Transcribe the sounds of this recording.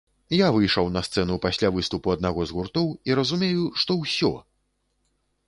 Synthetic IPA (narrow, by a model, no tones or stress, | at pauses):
javɨjʂɐwnɐst̪sɛnupasʲlʲavɨst̪upuɐd̪naɣɔzɣurt̪ɔwiɾɐzumʲejuʂt̪ɔwsʲɔ̰